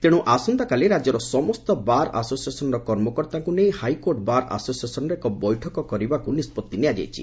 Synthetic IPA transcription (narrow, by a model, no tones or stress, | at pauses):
t̪eɽ̃uʔasɔnd̪akaleɾad͡ʒɔɾɔsɔmɔst̪ɔbaɾa̰sosiesɔnɔɾɔkɔɾmɔkɔɾt̪aŋkunejhajkoɾʈbaɾa̰sosiesɔnɔɾekɔbɔjʈʰɔkɔkɔɾibakunispɔt̪ːiniad͡ʒa̰jt͡ʃʰḭ